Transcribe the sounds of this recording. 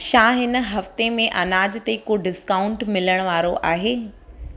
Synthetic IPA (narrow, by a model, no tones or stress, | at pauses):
ʃãːɦɪn̆ɦɐft̪emẽʔɐnaːd͡ʑt̪ekoːɖɪskaːʊɳʈmɪləɽ̃ʋaːɾoʔaːɦeː